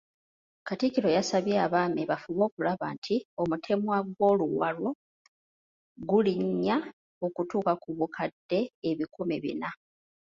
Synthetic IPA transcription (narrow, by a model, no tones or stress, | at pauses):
katikiɾo̞jasaβjeaβaːmeβafuβo̞ːkulaβaːntʰio̞mutʰe̞mwaɡwo̞ːluwalo̞ | ɡuliɲːa | o̞kutuːkakuβukʰadːe̞ːβikʰomeβḭna